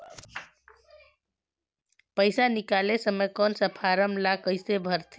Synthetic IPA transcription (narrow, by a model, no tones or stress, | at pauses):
pəɪsanikalesəmekɔnsəpʰaɾəmlakəɪsebʱəɾt̪ʰi